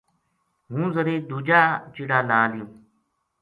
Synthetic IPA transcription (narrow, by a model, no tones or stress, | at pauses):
ɦũːzəɾeːd̪uːd͡ʒaːt͡ʃiɽaːlaːlɪjũː